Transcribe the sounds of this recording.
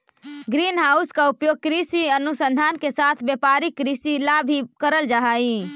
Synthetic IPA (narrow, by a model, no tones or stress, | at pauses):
ɡɾinɦauskaupjoɡ̚kɾisiənusənd̪ʱankesat̪ʰbjəpaɾikːɾisilabʱikəɾəld͡ʒaɦaĩ